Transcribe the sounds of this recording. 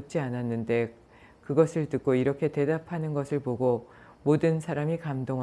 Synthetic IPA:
t͡ɕ͈iananːɯnde̞ | kɯɡʌsʰɯɭtɯk̚k͈oiɾʌkʰe̞te̞dapʰanɯnɡʌsʰɯɭpoɡo | modɯnsʰaɾamikamdoŋ

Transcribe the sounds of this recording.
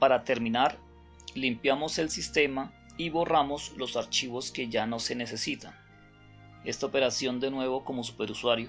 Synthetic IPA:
paɾat̪e̞ɾmĩnaɾ | limpjamo̞se̞lsist̪e̞ma | iβo̞ramo̞slosaɾt͡ʃiβo̞ske̞ʝano̞se̞ne̞sesit̪an | e̞st̪aope̞ɾasjo̞nd̪e̞nwe̞βo̞ko̞mo̞s̬u̥pe̞ɾuswaɾjo

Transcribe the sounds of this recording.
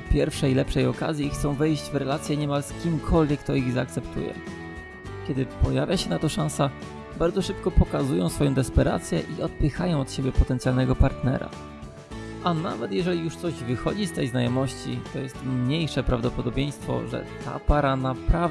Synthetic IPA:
pʲjɛɾfʂɛjlɛpʂɛjɔka̰zʲjixt̪sɔ̃w̃vɛjʑd͡ʑvɾɛlat̪sʲjɛɲɛmalskʲimkʰɔlvʲjɛkt̪ɔiɣzaːk̚t̪sɛp̚t̪ṵjɛ̰ | kʲɛd̪ɘpɔjavʲjaɕɛnat̪ɔʂãñsa | baɾd̪zɔʂɘp̚kɔpɔkazujɔ̃w̃sfɔjɔ̃w̃d̪ɛspɛɾa̰t̪sʲjɛʔiɔt̪̚pɘxajɔ̃w̃ɔt̪ɕebʲjɛpɔt̪ɛnsʲjalnɛɡɔpaɾt̪nɛ̰ɾa̰ | ʔana̰vɛt̪jɛʐɛlʲijuʂt̪sɔʑvɘxɔ̰d͡ʑist̪ɛjznajɔmɔɕt͡ɕḭt̪ɔjɛst̪mɲejʂɛpɾavd̪ɔpɔd̪ɔbʲjej̃st̪fɔ̰ʐɛ̰t̪ʰa̰paɾanapɾav

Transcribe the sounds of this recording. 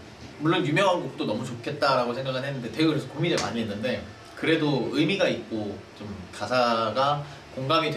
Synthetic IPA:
muɭːonjumjʌŋɦanɡuk̚t͈onʌmut͡ɕokʰe̞t̚t͈aɾaɡosʰe̞ŋɡaɡʰɯnɦe̞nːɯnde̞teɡkɯɾesʰkominema̰ɲiɦenːɯnde̞ | kɯɾe̞doɯmiɡait̚k͈ot͡ɕomkasʰaɡa | koŋɡamit͡ɕ

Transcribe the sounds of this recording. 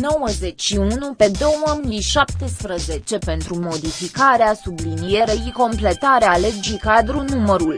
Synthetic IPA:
no̞wəze̞t͡ʃʲʃiunupe̞d̪o̞wəmiʃap̚t̪e̞spɾəze̞t͡ʃe̞pe̞nt̪ɾumo̞d̪ifikaɾeasublinije̞ɾeiko̞mple̞t̪aɾeale̞d͡ʒikad̪ɾunuməɾul

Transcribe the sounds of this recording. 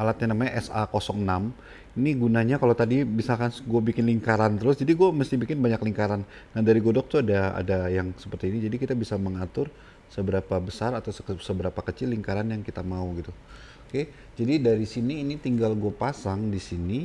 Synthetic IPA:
alat̪̚ɲanamaɲaʔɛsakosɔŋnam | iniɡunaɲakalat̪adibisalkanɡuabikɪnliŋkaɾant̪əɾʊsd͡ʒadiɡuaməst̪ibikɪnbaɲakliŋkaɾan | nahdaɾiɡoɔdɔk̚t̪uadaa̰dajaŋsə̥pərt̪iːnid͡ʒadikit̪abisaməŋat̪ʊr | səbəɾapabəsaɾat̪awssəbəɾapakət͡ʃɪlːiŋkaɾanjaŋkit̪amauɡit̪u | oke | d͡ʒadidaɾisiniːnit̪iŋɡalɡuapasaŋdisini

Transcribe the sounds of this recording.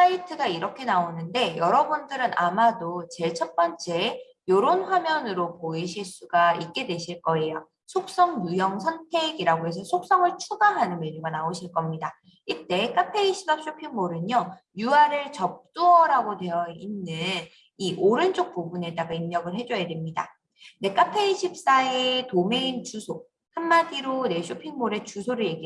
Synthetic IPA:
aitʰɯɡaiɾʌkʰe̞naonɯnde̞jʌɾʌbundɯɾɯnʔamadot͡ɕe̞ɭt͡ɕʰʌp͈ʌnt͡ɕ͈e̞ | joɾonɸwamjʌnɯɾopoiɕʰiɭs͈uɡaik̚k͈e̞dwe̞ɕʰiɭk͈ʌe̞jo | sʰok̚s͈ʌŋjujʌŋsʰʌntʰe̞ɡiɾaɡoɦe̞s̬ʰʌsʰok̚s͈ʌŋɯɭt͡ɕʰuɡaɦanɯnmeɾuɡanaoɕʰiɭk͈ʌmɲida | iɭt͈e̞k͈ʰapʰeiɕʰi̥pap̚ɕʰopʰiŋmoɾɯnʌ | juaɾɯɭt͡ɕʌp̚t͈uʌɾaɡodwe̞jʌinːɯn | iʔoɾɯnd͡ʑok̚p͈ubune̞daɡaimːjʌɡɯɭɦe̞d͡ʑʌjademɲida̰ | ne̞k͈apʰe̞iɕʰip̚s͈aetome̞int͡ɕusʰo | hanːadiɾone̞ɕʰopʰiŋmoɾe̞t͡ɕusʰoɾɯɭje̞ɡi

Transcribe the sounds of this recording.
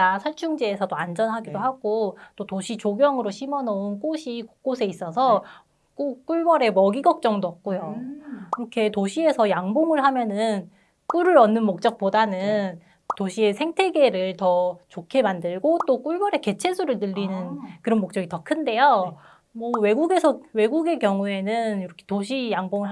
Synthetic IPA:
asʰʌɭt͡ɕʰuŋd͡ʑeːsʰʌdoand͡ʑʌnɦaɡidoɦaɡ̥ot͈otoɕʰit͡ɕoɡjʌŋɯɾoɕʰimʌnʌunk͈oɕʰikok͈osʰe̞is͈ʌsʰʌ | k͈uk͈uɭbʌɾe̞mʌɡiɡʌk̚t͡ɕ͈ʌŋdoʌp̚k͈ojokɾʌkʰe̞toɕʰie̞sʰʌjaŋboŋɯɭɦamjʌnɯn | k͈uɾɯɾʌnːɯnmok̚t͡ɕ͈ʌk̚p͈odanɯn | toɕʰie̞sʰe̞ŋtʰe̞ɡe̞ɾɯɭtʌt͡ɕokʰe̞mandɯɭɡot͈ok͈uɭbʌɾe̞ke̞t͡ɕʰe̞sʰuɾɯɭnɯʎːinɯnkɯɾʌnmok̚t͡ɕ͈ʌɡitʌkʰɯnde̞jo | mʌwe̞ɡuɡe̞sʰʌwe̞ɡuɡe̞kjʌŋue̞nɯniɾʌkʰe̥toɕʰijaŋboŋɯɭɦ

